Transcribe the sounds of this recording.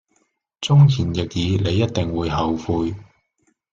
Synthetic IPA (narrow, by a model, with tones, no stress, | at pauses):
t͡sʊ˥ŋkʰiː˨˩njɪ˨k̚jiː˨˧ne˨˧jːɐ˥t̚t̪ɪ˨ŋwuː˨˧jɦɐ˨wfuː˧j